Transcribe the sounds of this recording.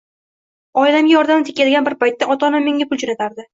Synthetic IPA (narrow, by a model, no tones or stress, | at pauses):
ɒɪlamʲajɒɾd̪amnt̪ʰe̥kʰʲːad̪ɪɡʲanbɪɾpajt̪ːaʔɒt̪ʰɒnamːe̞ŋɡʲapʰʊlˠd͡ʒonat̪ʰaɾd̪ɪ